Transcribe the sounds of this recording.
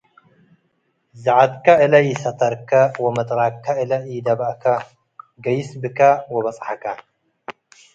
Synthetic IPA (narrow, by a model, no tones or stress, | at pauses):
zɐʕad̪kɐʔɨlɐjɪsɐt̪ʰɐɾkʰɐwɔmɐt̪ʼɾakʰːɐɨlɐjɪd̪ɐbakʰɐ | ɡɐjɪsbɨkɐwɔβɐt͡sʼħakɐ